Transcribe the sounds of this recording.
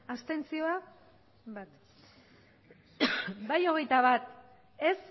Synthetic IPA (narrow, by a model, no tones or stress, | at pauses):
ast̪e̞nt͡sio̞a | bat̪ | bajo̞ɣ̞e̞jt̪aβat̪ | e̞s